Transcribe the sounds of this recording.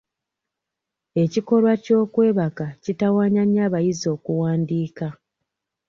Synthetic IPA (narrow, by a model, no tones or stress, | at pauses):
e̞ciko̞lwaco̞ːkwe̞ːβakacitawaːɲaɲaːβajizo̞ːkuwaːndiːka